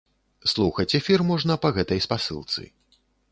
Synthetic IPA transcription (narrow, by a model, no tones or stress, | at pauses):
slˠuxɐt͡sʲɛfʲirmɔʐnɐpɐɣɛt̪ɐjspasɨ̰lˠt̪sɨ̰